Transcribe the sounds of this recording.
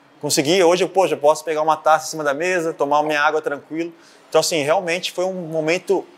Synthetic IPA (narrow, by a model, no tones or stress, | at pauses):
kõsɪɡioʒɪewpoʃɐewpɔsʊ̥peɡaũmɐt̪asɐĩsĩmɐd̪ɐmezɐt̪omaumĩɲɐaɡwɐt̪ɾɐ̃kwilɐ | ẽt̪ɐ̃w̃ɐsĩɦeawmẽnt͡ʃɪ̥fojũmomẽnt̪ʊ